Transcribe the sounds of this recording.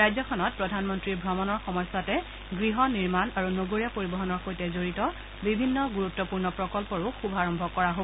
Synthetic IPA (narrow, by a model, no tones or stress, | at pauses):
ɹajzɔkʰɔnɔt̚pɹɔdʱanmɔntɹiɹbʱɹɔmɔnɔɹxɔmɔjsatɛ | ɡɹiɦɔniɹmanaɹunoɡoɹijapoɹibɔɦɔnɔɹxojtɛzoɹitɔ | bibʱinːɔɡuɹutːɔpuɹnɔpɹɔkɔlpɔɹʊxubʱaɹɔmbʱɔkɔɹaɦo